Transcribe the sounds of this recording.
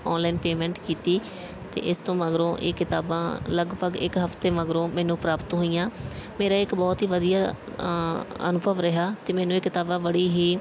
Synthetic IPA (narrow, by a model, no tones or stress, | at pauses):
ɔːnlainpeːmɛ̃ːɳʈkiːt̪iː | t̪ḛːʔɪst̪õːməɡɾõːʔḛːkɪt̪aːbãːləɡpəɡɪ̰kɦəft̪eːməɡɾõːmɛ̃ːnũːpɾaːpət̪ɦoːijãːmeːɾaːɪkbɔːt̪ɦiːʋəd̪ijaː | ə̰nʊbʱəʋɾəɦaːt̪eːmɛːnũːeːkɪt̪aːbãːbəɽiːɦiː